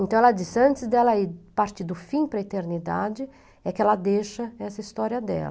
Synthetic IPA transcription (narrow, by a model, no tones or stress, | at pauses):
ẽnt̪ɐ̃w̃ɛlɐd͡ʒisɐ̃nt͡ʃ̪ɪzd̪ɛlɐipaɾt͡ʃid̪ʊfĩpɾɐet̪eɾnid̪a̰d͡ʒɪ | ɛkɪɛlɐd̪eʃɐɛsɐist̪ɔɾiɐd̪ɛ̰lɐ